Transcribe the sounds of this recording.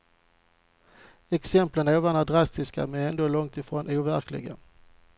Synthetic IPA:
ɛksɛmplənæːvanad̪ɾast̪ɪska̰mɛnɛnd̪oːlɔŋt̪ɪfɾoːnʔuːvæɾklɪ̰ɡa̰

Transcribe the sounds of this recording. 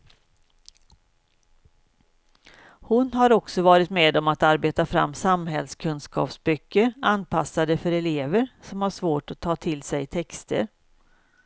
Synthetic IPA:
hʊnɦaɾɔksɔvɑːɾɪt̪meːd̪ɔmat̪aɾbeːt̪afɾa̰mːsamɦɛlskʰɵnskɑ̰ːpsbʏkːəɾanːpʰasːad̪əfœɾɛleːvəɾsɔmhaʂvoːʈɔt̪ʰːɑːt̪ʰɪlsɛjt̪ʰɛkst̪ʰə̰ɾ

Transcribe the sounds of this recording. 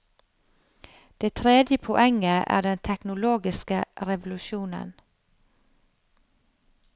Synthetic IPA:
d̪̥eːt̪ʰɾeːd̪jəpʰɔʔɛŋːəʔæ̰ːɖɛnt̪ʰɛknʊloːɡɪskəɾɛʋʊlʉʃuːnə̰n

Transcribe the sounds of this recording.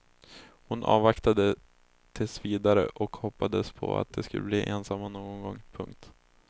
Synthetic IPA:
hʊnʔɑːvakt̪ad̪ə | t̪ʰɪlsviːd̪aɾə̰ʔɔkhɔpːad̪əspʰɔ̰a̰t̪̚d̪ɛskɵlːəbliːʔeːnsamːanoːɡɔnɡɔŋːpʰɵŋk̚t̪

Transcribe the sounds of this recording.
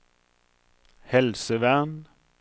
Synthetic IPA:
hɛlsəʋæʁn

